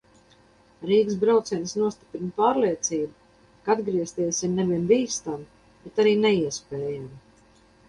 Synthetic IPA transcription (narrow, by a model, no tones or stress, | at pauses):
ɾiːɡs̬bɾawt̪siɛnsnuɔst̪i̥pɾinpaːɾliɛt̪siːbu | kaad̪ɡɾiɛst̪iɛsʲimneviɛnbiːst̪am | bɛt̪aɾiːnɛiɛspɛːjam